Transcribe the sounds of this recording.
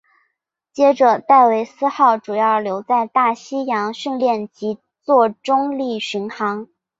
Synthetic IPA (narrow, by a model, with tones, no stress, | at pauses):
t͡ɕjɛ˥ʈ͡ʂɤ˨˩t̪a˥˩ɪwe˧˥ɪsɹ̩˥xɑ˥˩ʊʈ͡ʂu˨˩jɑ˥˩ʊljo˧˥ʊt͡sa˥˧ɪt̪a˥˩ɕi˥jɑ˧˥ŋɕy˥˧nljɛ˥˩nt͡ɕi˧˥ | t͡swɔ˥˩ʈ͡ʂʊ˥ŋli˥˩ɕy˧˥nxɑ˧˥ŋ